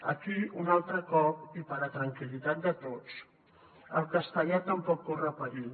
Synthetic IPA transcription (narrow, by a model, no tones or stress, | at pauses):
ə̰kiunalˠt̪ɾəkɔpipəɾət̪ɾəŋkilit̪at̪̚d̪ət̪ot͡s | əlˠkəst̪əʎat̪əmpɔkːorəpəɾi